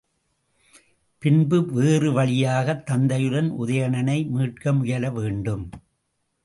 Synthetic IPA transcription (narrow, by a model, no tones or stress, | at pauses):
pɪnbɯʋeːrɯʋɐɭɪjaːɣɐt̪ːɐnd̪ɐjɯɽɐnʔʊ̰ðɐjɐɳɐnɐɪmiːʈ̚kɐmʊjɐlɐʋeːɳɖɯm